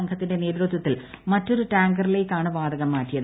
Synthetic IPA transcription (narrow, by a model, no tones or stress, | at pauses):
ɐŋkʰɐt̪ːinde̞ne̞ːd̪ɾut̪ːwɐt̪ːilmɐtːo̞ɾuʈaːŋɡɐrile̞ːkːaːɳɨʋaːd̪ɐɣɐmːaːʈːijɐðɨ